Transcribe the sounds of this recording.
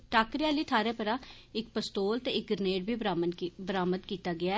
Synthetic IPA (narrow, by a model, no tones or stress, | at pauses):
ʈaːkɾɪãːləiːt̪ʰaːɾeːpəɾãː | ɪk̚pəst̪oːlt̪eːɪk̚ɡəɾneːɖbʱiːbɾambəɾaːməd̪kiːt̪aːɡɪaː